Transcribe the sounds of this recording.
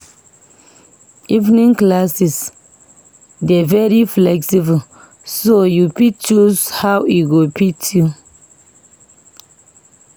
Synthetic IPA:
ivnĩŋklasis | dɛvɛɹiflɛksib | sojupit͡ʃuzhawiɡopitʰu

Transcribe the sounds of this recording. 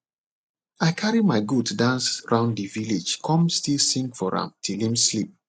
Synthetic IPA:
aɪkʰaɹimaɪɡutdãnsɹʔãʊ̃nddivilid͡ʒkʰɔ̃mstilsĩŋɡfɔɹã̰mtʰilĩmslip̚

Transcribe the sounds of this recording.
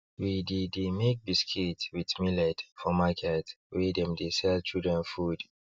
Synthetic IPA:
wididmek̚biskʰetwitmilɛdfɔmakʰɛt | wɛdɛ̃mdesɛlt͡ʃildɹɛ̃nfud

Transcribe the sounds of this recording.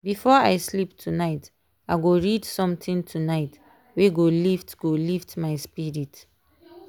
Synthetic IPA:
bifɔaɪsliptʰunaɪt | aɪɡoɹidsɔ̃mtʰĩntʰunaɪt | weɡoliftɡ̥oliftmaɪspiɹit

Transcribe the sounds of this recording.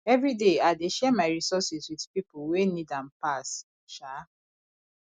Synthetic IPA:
ɛvɹideaɪdeʃɛmaɪɹisɔsiswidpipuwenidãnpas | ʃa

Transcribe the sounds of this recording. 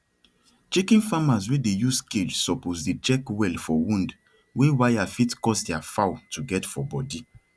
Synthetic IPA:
t͡ʃikĩnfamazwedejusked͡ʒsɔpozdet͡ʃɛkwɛlfɔwũnd | wewajafitkɔsdɛafawtuɡɛtfɔbɔdi

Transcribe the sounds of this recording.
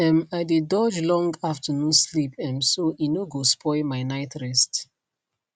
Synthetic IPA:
ɛ̃maɪdidɔd͡ʒlɔ̃ŋɡaftənũnslipɛ̃msoʔinoɡospʰɔɪlmaɪnaɪtɹɛst

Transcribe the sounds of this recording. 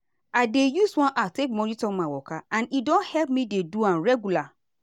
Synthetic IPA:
adejuswɔ̃nʔatek̚mɔnitɔ̃mawɔkaãnidɔ̃nhɛlp̚mĩdeduãnɹɛɡula

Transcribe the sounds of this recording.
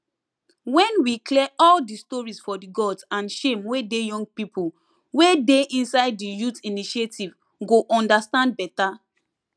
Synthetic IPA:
wɛ̃nwiklɛɔldistɔɹisfɔdiɡɔdsãnʃẽmwedejɔ̃ŋɡ̚pipul | wedeĩnsaɪd̚ːijutiniʃetʰiv | ɡoʔɔ̃ndastãnd̚bɛta

